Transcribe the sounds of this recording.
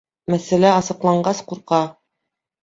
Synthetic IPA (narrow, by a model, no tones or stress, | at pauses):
mæsælæɑsɤ̆qlˠɑɴɢɑsquɾqɑ